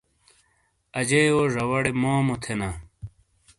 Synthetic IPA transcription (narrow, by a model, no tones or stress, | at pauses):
ɐd͡ʑeːwoʐɐwɐɽemoːmot̪ʰenɐ